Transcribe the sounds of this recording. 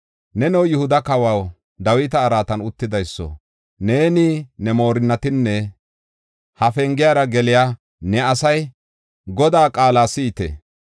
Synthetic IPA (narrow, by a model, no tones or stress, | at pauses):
nɛnɛwjʊhʊd̪ɐkɐwɐw | d̪ɐwɪt̪ɐːɾaːt̪ɐnʊt̪ːɪd̪ɐjsːɔ̰ | ne̞ːnɪnɛmo̞ːɾɪnːɐt̪ɪnːɛ | hɐfɛŋɡɪjaːɾɐɡɛlɪjaː | nɛɐsɐj | ɡɔd̪aːkʼaːlaːsɪːt̪ɛ̰